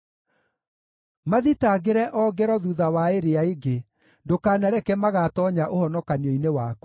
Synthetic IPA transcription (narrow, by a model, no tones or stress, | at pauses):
maðitaɡeɾɛʔɔːɡɛɾɔðuðawaeɾeaeɡe | dokaːnaɾɛkɛmaɣatɔɲaʔohɔnɔkaniɔinewak